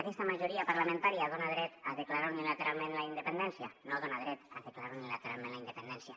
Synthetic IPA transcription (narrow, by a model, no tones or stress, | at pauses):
akɛst̪amaʒuɾiapaɾlamẽnt̪aɾiað̞onaðɾɛt̪aðeklaɾaunilat̪eɾalˠmẽnlaind̪epend̪ɛnsjanoðonaðɾɛt̪aðeklaɾaunilat̪eɾa̰lˠmẽnlaind̪epend̪ɛnsja